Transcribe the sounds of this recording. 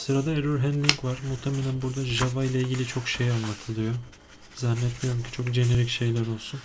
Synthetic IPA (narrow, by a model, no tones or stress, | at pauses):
sɯɾad̪aeɾyɾɦænd̪lʲiŋkvaɾ̥muht̪ʰemelʲænbuɾd̪aʒavajlˠailʲɟilʲit͡ʃʰo̞kʃejanlːˠat̪ʰɯlˠɯjo | zɛnːɛt̪̚bʲijoɾumcʰi̥t͡ʃʰo̞kd͡ʒe̞neɾicʃe̞jlʲæɾo̞lˠsun